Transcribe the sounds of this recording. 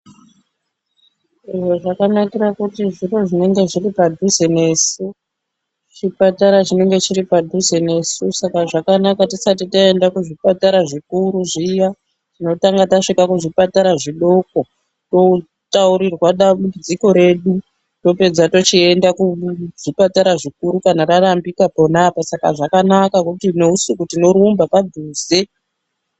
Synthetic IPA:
iʐo̞ʐakanakirakutiʐiro̞ʐine̞ŋɡe̞ʐiripadʱuze̞ne̞ːsu | t͡ʃipataɾat͡ʃine̞ŋɡe̞t͡ʃiripadʱuze̞ne̞ːsusakaʐakanakatisatitae̞ndakuʐipataɾaʐikuɾuʐija | tino̞taŋɡataʂikakuʐipataɾaʐiɗo̞k̚o̞ | to̞ | tauɾirwaɗaɓuid͡ziko̞ɾe̞ɗu | to̞pe̞d͡zato̞t͡ʃie̞ndakuʐipataɾaʐik̚uɾukanaɾarambikapo̞napasaka̰ʐakanakakutine̞usikutino̞ɾumbapad̪ʱuːze̞

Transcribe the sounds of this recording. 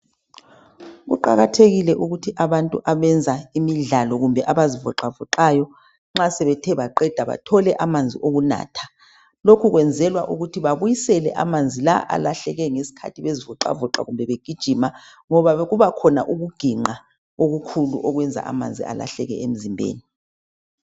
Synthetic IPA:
ɣṵǃa̰ɣatʰeɣilɛʔuɣutʰiʔaβantʼuʔaβɛnd͡zʱaimiɮalɔɣumbʱɛʔaβazivɔǃavɔǃaːjɔ | ŋ͡ǁasɛβɛtʰɛβaǃɛd̥ʱaβa̰tʰɔlɛʔamand͡zʱiʔoɣuna̰ːtʰḁ | lokʰuɣwɛnd͡zʱɛlwaʔuɣutʰiβaβujisɛlɛ̰ʔa̰mand͡zʱila̰ʔa̰laɬɛɣɛŋesi̥kʰa̰tʰiβezivɔǃa̰vɔǃa̰ɣumbʱɛβeɡ̥ʱid̥ʒ̥ʱimaŋɔβaɣuβakʰɔna̰ʔuɣuɡ̥ʱiŋ͡ǃa | ɣoɣukʰuluʔɔɣwɛnd͡zʱa̰ʔa̰mand͡zʱḭa̰la̰ɬɛɣɛ̰ʔem̩zimbʱḛːni

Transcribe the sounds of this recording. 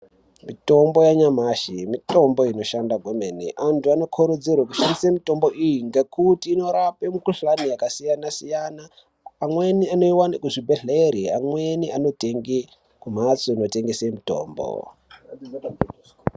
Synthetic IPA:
mito̞mbo̞jaɲamaʃimito̞mbo̞ino̞ʃandaɡʱomenḭʔantuano̞kʰoɾod͡zirwakuʃandisemito̞mbo̞ʔijiŋɡekutiːno̞ɾapemukuɬanijakasijanasijanaː | mweniano̞iwanekuʐibʱeɮeɾiamweniʔano̞teŋɡe | kum̤at͡soino̞te̞ŋɡesemito̰ːmbo̰

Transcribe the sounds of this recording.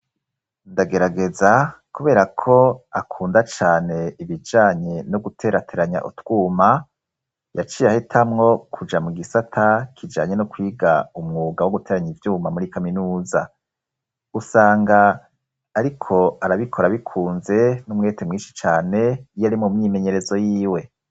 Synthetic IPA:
ndaɡe̞ɾaɡe̞zakuβe̞ːɾakʰo̞akʰuːndat͡ʃaːne̞iβid͡ʒaːɲe̞noɡutʰe̞ːɾatʰeɾaɲa̰ʔṵtw̥uːma | jat͡ʃiːjahitʰamŋo̞kʰud͡ʒamuɡisatʰakʰid͡ʒa̰ːɲe̞nukwiːɡaumŋuːɡawoɡute̞ːɾaɲivjuːmamuɾikaminuːza̰ | usaːŋɡaː | ɾikʰo̞aɾaβikʰo̞ɾaβikʰuːnze̞numŋe̞temŋiːʃi̥t͡ʃaːne̞ijaɾimumɲiːme̞ɲe̞ɾe̞zo̞jiːwe̞

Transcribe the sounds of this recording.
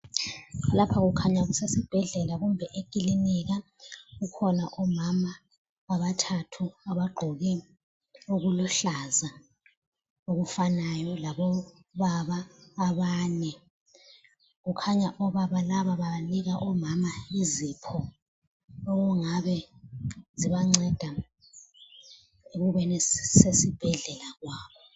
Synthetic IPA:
lapʰaɣukʰaɲaɣusesib̥ʱɛɮɛlaɣumbʱɛʔekʼiliniɣa | ɣukʰɔnaʔɔmama | aβatʰatʰuaβaɡ͡ǃʱɔɣɛ | uɣulɔɬaza | oɣufanajɔlaβɔ | βaβaːβaːnɛ | ɣukʰaɲaʔɔβaβalaβaβaliɣaʔɔmamaizipʰɔ | ɔɣuŋaβɛ | ziβaŋ͡ǀɛd̥ʱa | eɣuβɛnɛsesib̥ʱɛɮɛlaɣwaːβɔ

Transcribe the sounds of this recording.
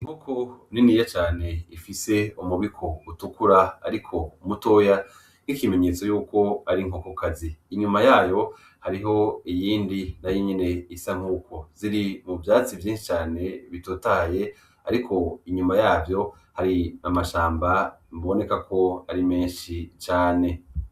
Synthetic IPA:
iŋ̥hokʰoniniːjat͡ʃaːne̞ifise̞umuβikʰo̞utukuɾaa̰ɾikʰo̞muto̞ːja | n̥ikime̞ɲe̞ːt͡so̞juːko̞aɾiŋ̥okokaziːɲumajaːjo̞ | haɾiɦo̞ijiːndinajiɲine̞isaŋ̥uːkʰo̞ziɾimuvjaːt͡sivjiːnʃi̥t͡ʃaːne̞βitoːtaːje̞ | a̰ɾikʰo̞iɲumajaːvjo̞ | haɾiamaʃaːmbamβo̞ne̞kakʰo̞aɾimeːnʃit͡ʃaːne̞

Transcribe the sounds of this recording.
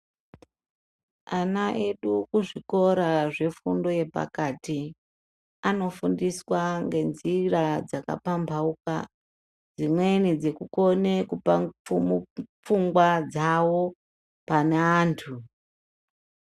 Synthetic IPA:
anaʔe̞ɗukuʐiko̞ɾaʐe̞fundo̞je̞pa̰kati | ano̞fundiswaŋɡe̞nzirad͡zaka̰pambʱauka̰ | d͡zimwe̞nid͡ze̞kuko̞ne̞kupaump͡fuŋɡwad͡zawo̞ | paneaːntʰu

